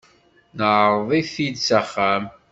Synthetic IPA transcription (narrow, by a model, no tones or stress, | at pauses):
nəʕɾˤðˤiθid̪saχːæm